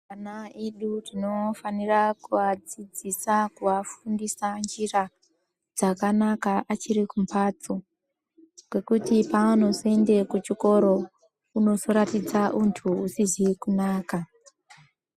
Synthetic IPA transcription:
anaeɗurino̞fanirakuʋad͡zid͡zisakuʋafundisand͡ʒira | d͡zakanakaʔat͡ʃiɾikumpʰat͡so | ɡwe̞kutipaano̞zoe̞nde̞kut͡ʃiko̞ɾo̞ | uno̞zo̞ɾatid͡zaʔuntʰuːsizikunaːka

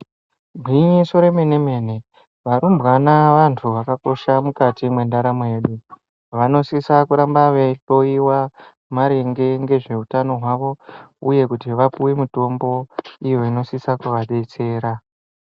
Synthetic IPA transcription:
bʱwiɲeso̞ɾe̞meneme̞ne̞ | ʋaɾumbɣanaʋantʰuʋakako̞ʃamukatimwe̞ndaɾamoje̞ɗu | ʋano̞sisakuɾambaʋeɬo̞iwa | maɾe̞ŋɡe̞ŋɡe̞ʐe̞utano̞ɦwaʋo̞uje̞kutiʋapuwemuto̞mbo̞ijo̞ino̞sisakuʋaɗet͡se̞ːɾa

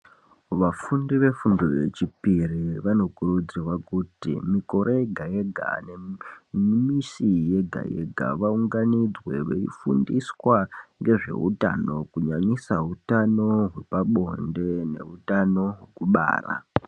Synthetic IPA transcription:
ʋafundiʋe̞fundoje̞t͡ʃipiriʋano̞kurud͡zirwakutḭmiko̞ɾʔeeɡʱajeɡʱa̰ne | misije̞ɡʱa̰jeɡʱa̰ʋauŋɡanid͡zwe̞ʋḛḭfundiswaŋɡe̞ʐe̞̰ṵta̰no̞kuɲaɲisaɦutano̞ɦwe̞paɓo̞nde̞ne̞utano̞ɦwekuɓa̰ːra̰

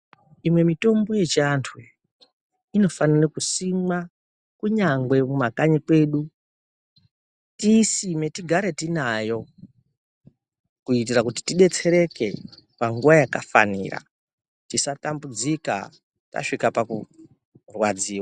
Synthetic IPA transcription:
imwe̞mito̞mbo̞je̞t͡ʃantʰu | ino̞fanirekusimwa | kuɲaŋɡwe̞mumakaɲikwe̞ːɗu | tisime̞tiɡʱaɾe̞tinajo̞ | kuitirakuti̥tiɗe̞t͡se̞ɾe̞ke̞paŋɡuʋajakafa̰nḭːra̰ | tisatambud͡zika̰ | ta̰ʂikapaku | rwad͡ziːwa

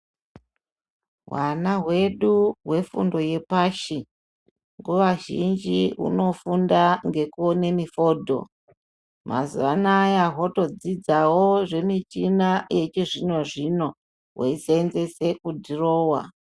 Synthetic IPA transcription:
ɦwanaɦwe̞ɗuɦwe̞fṵndo̞je̞paːʃi | ŋɡuʋaʒind͡ʒiṵno̞fundaŋɡe̞kuone̞mifo̞ːdʱo̞̰ | mʔa̰zuʋanajaɦoto̞d͡zid͡zawoʐe̞mitinaje̞t͡ʃiʐinoʐino̞ | ɦweisenze̞se̞kudʱiro̞ːwa̰

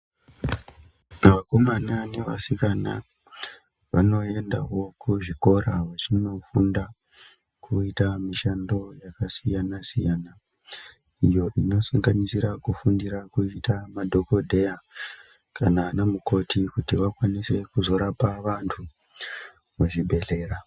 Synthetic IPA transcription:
ʋako̞manane̞ʋa̰sikana̰ | ʋa̰no̞e̞nda̰wo̞kʰuʐiko̞ɾaʋat͡ʃino̞funda | kʰuitamiʃando̞jakasijanasijana | ijo̞ʔino̞saŋɡanisiɾakufundiɾakuitamadʱo̞ko̞dʱe̞ja | kʰananemuko̞tikutiʋakwanise̞kuzo̞ɾapaʋantʰu | muʐibʱe̞ɮe̞ːɾa

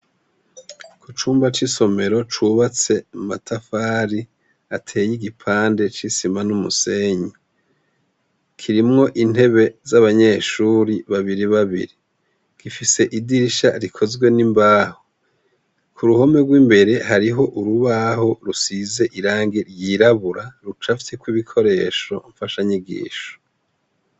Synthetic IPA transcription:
kut͡ʃuːmbat͡ʃiso̞me̞ɾo̞t͡ʃuβat͡se̞matʰafaːɾi | atʰe̞ːjiɡipʰaːnde̞t͡ʃisimanumuse̞ɲi | kʰiɾimŋo̞ʔin̥e̞βe̞zaβaɲe̞ːʃuːɾiβaβiɾiβaβḭɾi | ɡ̥ifise̞ʔidiʃa̰ɾikʰo̞zɡwe̞nimbaːho | kʰuɾuho̞me̞ɡwiːmbe̞ɾe̞haɾiɦo̞ʔuɾuβaho̞ɾusize̞ʔiɾaːŋɡiɾjiɾaβuɾaɾut͡ʃafi̥tekwiβikʰo̞ɾe̞ːʃo̞ɱfaʃaɲiɡḭːʃo̥

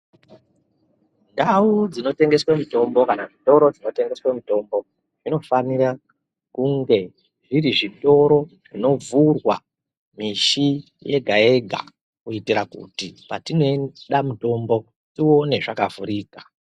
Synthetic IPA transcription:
ndaud͡zino̞te̞ŋɡe̞swamito̞mbo̞kanaʐito̞ɾo̞d͡zino̞te̞ŋɡe̞swamito̞mbo̞ | ʐ̥ino̞fanira | kuŋɡe̞ | ʐiɾiʐito̞ɾo̞ʐino̞vʱurwa | miʃi | je̞ɡʱae̞ɡʱa̰ | kuitiɾakṵtipatinoɗamuto̞mbo̞ | tio̞ne̞ʐakavuɾiːka

